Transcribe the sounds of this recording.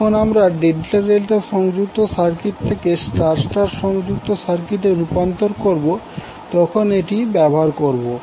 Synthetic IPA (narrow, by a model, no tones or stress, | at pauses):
onamɾaɖenʈaɾelʈaʃɔŋd͡ʑuk̚t̪osaɾkiʈ̚t̪ʰekesʈaɾsʈaɾʃɔŋd͡ʑuk̚t̪osaɾkiʈeɾupant̪oɾkoɾbo | t̪ɔkʰoneʈibɛboɦaɾkoɾbo